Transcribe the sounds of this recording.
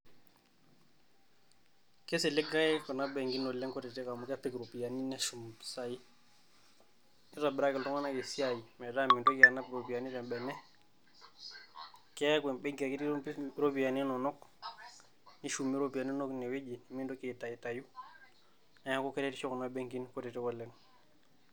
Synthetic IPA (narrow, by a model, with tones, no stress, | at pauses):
ke˦se˨le˦ɡa˦i˦ko˨na˦be˨ŋɡi˦no˨le˦ŋko˦te˨te˦ka˨mu˨ka˦pe˦kɾo˨pi˨ja˨ni˦ne˦ʃu˨mpi̥˨sa˦ji˦ | ni˦ɾa˨biɾa˦ke˨ltɔ˦ŋa˦na˦ke˨si˦a˨ji˨me˨da˦mi˨ndo˦ki˨a˨na˦bɾo˨pi˨ja˨ni˦ɾe˨mbɛ˨nɛ˦ | ke˦kwe˨nbe˦ŋɡi˨a˨ki˦tɾo˦pi˨ja˨ni˦no˨nɔ˦k̚ | ni˦ʃu˨mːi˦ɾo˦bi˨ja˨ni˦no˦kne˨we˦d͡ʒi˨ni˨mi˦ndo˦ke˨ta˨i˨ta˨ju˦ | na˦ja˦ko˦ke˦ɾe˦ti˦t͡ʃo˦ko˨na˦be˦ŋɡi˦nko˦te˨te˦ko˨lːe˦ŋ